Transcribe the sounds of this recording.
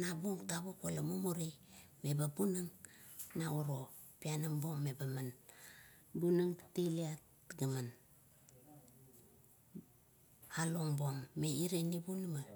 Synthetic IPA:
nabuŋtaβokolamomoɾimebabunɨŋnauɾo | pianambo̞ŋmebaman | bunɨŋteliat | ɡaman | aloŋboŋmeiɾenibunma

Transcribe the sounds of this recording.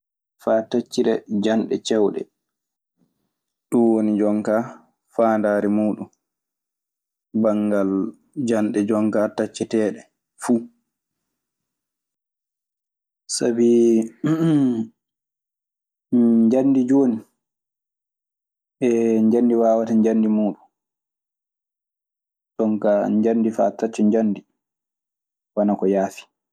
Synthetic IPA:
faːtat͡ʃːiɾɛd͡ʒanɗɛt͡ʃɛwɗɛ̰ | ɗunwonid͡ʒɔŋka | faːndaːɾɛmuːɗun | baŋɡal | d͡ʒanɗɛd͡ʒɔŋkaːtat͡ʃːɛtɛːɗɛ | fu | sabi | ɲd͡ʒanːdid͡ʒoːni | ɛɲd͡ʒandiwaːwataɲd͡ʒandimuːɗu | tɔŋkaɲd͡ʒanːdifa̰tːat͡ʃːɔɲd͡ʒanːdi | wanakɔjaːfi̥

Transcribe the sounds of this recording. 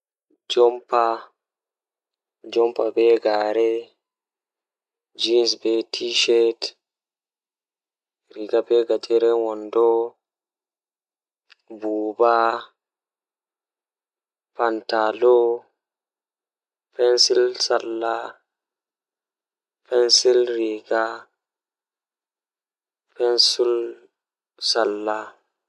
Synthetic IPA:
d͡ʒɔmpa | d͡ʒɔmpabɛɡaɾɛ | d͡ʒinsbɛtʰiʃɛt | ɾiɡabɛɡad͡ʒɛɾɛwɔndɔ | buːba | pantalo | pɛnsilsalːa | pɛnsilɾiɡa | pɛnsul | salːa

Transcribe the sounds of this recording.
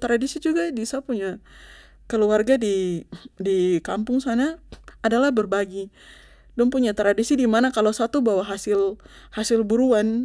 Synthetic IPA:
t̪ɾadisid͡ʒuɡadisapuɲa | kəluarɡadidikampʊŋsanaːdalahbərbaɡi | dʊnpuɲat̪ɾadisidimanakalowsat̪ubawaɦasɪl | hasɪlbuɾuan

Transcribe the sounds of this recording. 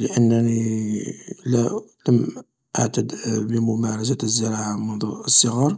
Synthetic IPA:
ləʔənːəni | læt̪əm | ʔa̰ʕt̪əd̪bəmʊmæɾˤɑs̬æəzːəɾˤɑʕamʊnd̪ˤuəsˤːəɣɑɾˤ

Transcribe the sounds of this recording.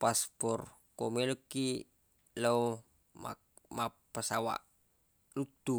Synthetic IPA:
paspɔrkomeloki | low | ma̰ | ma | pəsawa̰ʔ | lut̪u

